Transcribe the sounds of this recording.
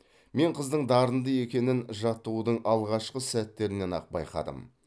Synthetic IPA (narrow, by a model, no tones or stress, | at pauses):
me̞ɴqʰəzd̪əɴd̪ɑɾənd̪əje̞kʲe̞nɪnʒɑt̪ːuwd̪əɴʔɑlˠʁɑʃqəsæt̪ːe̞ɾɪne̞nɑ̰q̚bɑ̰jqɑ̰d̪ə̰m